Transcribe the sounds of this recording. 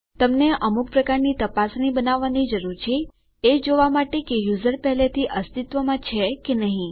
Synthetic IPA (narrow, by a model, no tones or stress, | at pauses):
t̪əmneʔəmuk̚pɾəkaɾnit̪əpasnibənaʋːanid͡ʒəɾuɾt͡ʃʰeː | d͡ʒoʋamaʈekejuzəɾpɛɦlet̪ʰiʔəst̪it̪ʋəmãt͡ʃʰekenəɦĩ